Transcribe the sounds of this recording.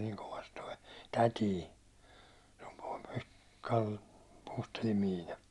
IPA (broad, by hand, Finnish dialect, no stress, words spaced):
niːŋ koʋɑs toi tætiː kɑl puːstelːim miːnɑ